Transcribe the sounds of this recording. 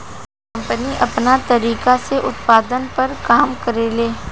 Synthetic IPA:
kɐ̃mpəniʔɐpnat̪ɐɾiːkaseʔʊt̪paːd̪ənpɐɾkaːmkɐɾeːleː

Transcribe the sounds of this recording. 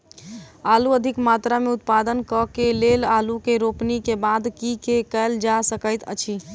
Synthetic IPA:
aluəd̪ʱikmat̪ɾameut̪̚pad̪ənkəkelelalukeɾopnikebad̪kikekəld͡ʒasəkəjt̪ə̰t͡ʃʰi

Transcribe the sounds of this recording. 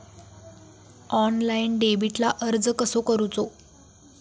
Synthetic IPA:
ɔnlainɖebiʈlaʔəɾd͡zəkəsokəɾut͡so

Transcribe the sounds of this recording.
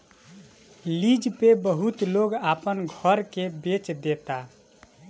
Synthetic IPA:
lid͡ʒpebəɦut̪loɡapənɡʱəɾkebet͡ʃd̪et̪a

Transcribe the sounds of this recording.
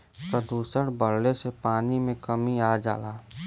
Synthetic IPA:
pɾəd̪uːsəɽbəɾlesepaːnimẽkəmiaːd͡ʒa̰ːlaː

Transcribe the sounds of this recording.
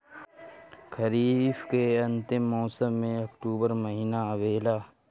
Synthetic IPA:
kʰəɾiːfkeɐ̃nt̪ɪmːɔːsəmːẽɐkʈuːbəɾmɐɦiːnaɐʋeːlaː

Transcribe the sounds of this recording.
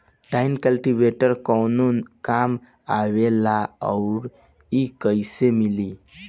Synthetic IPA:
ɖaɪnkəlʈiʋeʈəɾkɔwnunkam | aʋelaɔʊɾ | ikəjsemili

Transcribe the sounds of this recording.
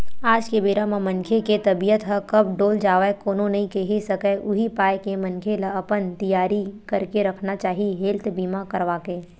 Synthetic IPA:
aːd͡ʒkebeːɾamãmɐnkʰeket̪ɐbijət̪ɦɐkɐb̚ɖoːld͡ʒaːʋaekoːnõnɐɦĩkeɦisɐkɛʔʊɦipaːjkemɐ̃nkʰeləɐpənt̪ijaːɾikɐɾkeɾɐkʰnat͡ʃaːɦiɦeːlt̪biːmakɐɾʋaːkeː

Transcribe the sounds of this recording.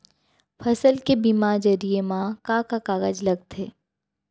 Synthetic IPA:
fʰɐsəlkebimad͡ʒɐɾiemãkãkakaːɣəd͡ʒlɐɡ̚t̪ʰeː

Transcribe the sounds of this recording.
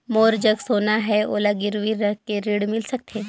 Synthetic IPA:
moːɾd͡ʒɐɡsoːnaɦɛo̰ːlaɡɪɾʋiɾɐkeɾiːɽmɪlsɐk̚t̪ʰeː

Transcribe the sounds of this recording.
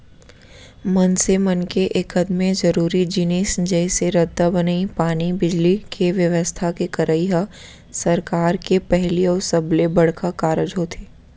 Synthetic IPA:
mɐnsemɐnkeʔeːkɐd̪mẽzɐɾuːɾid͡ʒɪniːsd͡ʒɛːseɾɐd̪ːabɐnaipaːnibɪd͡ʒlikʰeʋjəʋəst̪ʰakekɐɾəiɦa | sɐɾkaːɾkepɛɦliɔːɾsɐblebɐɽ̤kʰakaːɾəd͡ʒɦoːt̪ʰeː

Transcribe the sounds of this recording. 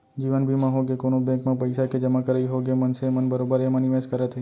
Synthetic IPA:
d͡ʒiʋənbʱimãɦoɡekonõbɛ̃kmãpəjsaked͡ʒəmãkəɾeiɦoɡemənsemənbəɾobəɾeməniʋeskəɾet̪ʰə

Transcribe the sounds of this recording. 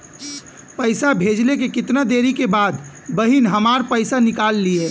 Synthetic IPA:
pəɪsabʱeːd͡ʒlekekɪt̪nad̪eːɾikebaːd̪ | bɐɦinɦɐmaːɾpəɪsanɪkaːlːieː

